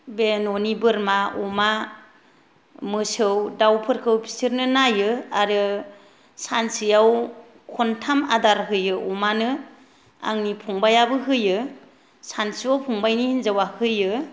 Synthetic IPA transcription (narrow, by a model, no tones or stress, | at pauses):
benonibɯɾmauma | mɯsɯwdawpʰɯɾkʰɯwpʰi̥sɯɾnɯnajɯaɾɯ | sansijaw | kʰɔntʰamadaɾɦɯjɯʔɔmanɯ | a̰ŋnipʰɔŋbajabɯɦɯjɯ | sansiawpʰɔŋbajnihinzawahɯjɯ